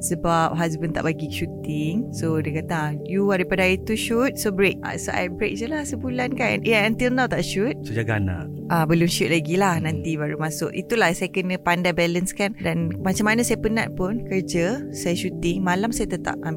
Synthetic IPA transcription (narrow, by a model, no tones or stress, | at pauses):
səbap̚ɦas̬bənt̪a̰ʔbaɡiʃut̪ɪŋsodiəkat̪ajuaɾipadaait̪uʃut̪̚sobəɾek̚a̰soʔa̰jbɾḛk̚d͡ʒəlahsəbulankanaənt̪ilnãwt̪aʔʃut̪̚sod͡ʒaɡana̰ʔ | ʔabəlʊmʃut̪̚laɡilahnãnt̪ibaɾumasʊʔit̪ulahsajakənə̃pandabɛlənskandanmat͡ʃamanasajapəna̰ʔpʊnkərd͡ʒə | sajaʃut̪ɪŋmalamsajat̪ət̪a̰p̚am